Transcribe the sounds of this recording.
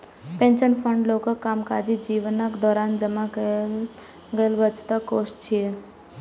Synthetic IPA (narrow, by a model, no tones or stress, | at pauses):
pẽnt͡ʃənpʰəɳɖlokəkːaːmkad͡ʒid͡ʒiʋnəkd̪ɔːɾaːnd͡ʒəmak | ɡəəlʋət͡ʃt̪akost͡ʃʰie